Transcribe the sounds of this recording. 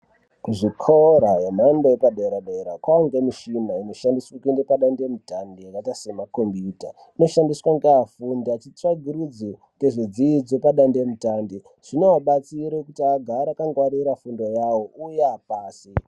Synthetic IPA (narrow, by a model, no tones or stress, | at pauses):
kuʐikʰoɾaɦem̤andoepaɗeɾaɗeɾakwaaŋɡemiʃinaino̞ʃandiswakinɡepaɗandemutandijakatasemakombita | ino̞ʃandiswaŋɡeafundat͡ʃit͡saɡʱiɾud͡zi | ɡeʐid͡ziid͡zo̞paɗandemutandi | ʐ̥inewaɓat͡siɾekutiaɡʱaɾakaŋɡwaɾiɾafundo̞jawoujeapaːsi